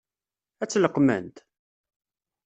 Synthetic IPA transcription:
æt͡sːləqːmə̰nt̪

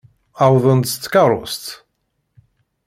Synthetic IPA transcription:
awðˤənt̪t͡sːkɑɾˤʊst̪

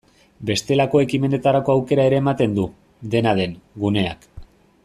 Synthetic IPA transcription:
be̞st̪e̞lako̞ekime̞ne̞t̪aɾako̞awke̞ɾae̞ɾe̞ːmat̪e̞nd̪u | d̪e̞nað̞e̞nɡune̞a̰k

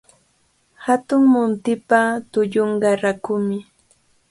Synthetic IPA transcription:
hat̪ʊŋmʊnt̪ɪpat̪ʊʎoɴɢɑɾakʊmɪ

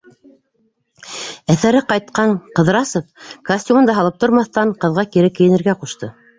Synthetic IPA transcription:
æθæɾɘqɑjt̪̚qɑɴqɤ̆ðɾɑsɤp̚kɐsʲtʲumɤ̆nd̪ɑɦɑlˠɤp̚t̪ŏɾmɑθt̪ɑɴqɤ̆ðʁɑkiɾɘkːɘ̆jɘ̆nɘ̆ɾɡæquʃt̪ɤ

